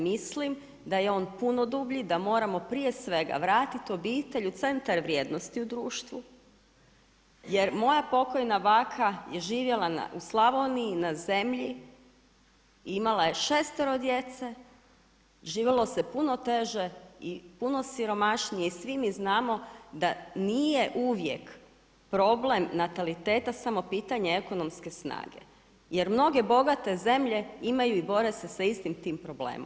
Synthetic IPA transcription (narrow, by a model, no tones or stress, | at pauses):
mislim | d̪ajeo̞ːnpuno̞d̪uːbʎid̪amo̞ːɾamo̞pɾije̞sʋe̞ɡa̰ʋɾaːt̪it̪o̞biːt̪eʎut̪se̞nt̪aɾʋɾjeːd̪nost̪iud̪ɾuːʃt̪ʋu | je̞ɾmo̞japo̞ko̞jnabaːkʰajeʒiːʋje̞lˠana̰uslˠaʋo̞niːnaze̞mʎi | imalˠaje̞ʃest̪eɾo̞d̪jet̪se | ʒiːʋelˠo̞sepuno̞t̪e̞ʒe̞ipuno̞siɾo̞maʃnijeisʋimiznaːmo̞d̪anije̞ʔuʋjek | pɾo̞blemnat̪alit̪e̞ːt̪asamo̞piːt̪aɲeeko̞no̞mske̞sna̰ːɡḛ | jeɾmno̞ɡe̞bo̞ɡat̪e̞ze̞mʎeimajuibo̞ɾe̞se̞saist̪imt̪iːmpɾo̞blḛːmom